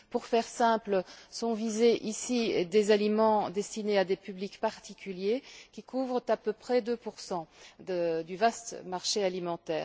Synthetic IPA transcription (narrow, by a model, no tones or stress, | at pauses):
puʁfɛʁsɛ̃pləsɔ̃vizeʔisid̪ezalimɑ̃d̪ɛst̪inead̪epyblikpaʁt̪ikʲyljekʲikʰuvʁət̪apøpχɛd̪øpuʁsɑ̃d̪əd̪yvast̪maʁʃealimɑ̃t̪ɛːʁ